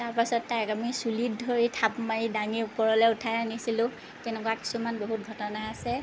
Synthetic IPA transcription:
taɹpasɔtːajkamisulidʱoɹitʰapmaɹidaŋiʊpɔɹɔlɛʊtʰajanisilʊ̃ | tɛnɛkwaki̥sumanboɦut̚ɡʱɔtɔnaːsɛ

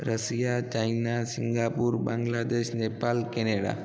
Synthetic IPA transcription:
ɾəsijat͡ʃainasɪŋɡaːpuɾbaŋɡlaːd̪eʃnepalkeneɽa̰

